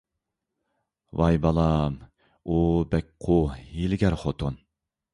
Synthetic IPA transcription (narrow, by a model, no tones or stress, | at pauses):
vɑjbɑlˠɑm | ubɛk̚ʲqʰʊhilɪɡʲɛɾχot̪ʰon